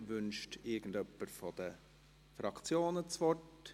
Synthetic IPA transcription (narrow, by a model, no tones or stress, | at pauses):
ʋʏnʃtɪɾɡ̥ən̩dœpːəɾfɔd̥̪ə | fɾɑkt͡sjoːnət͡sʋɔt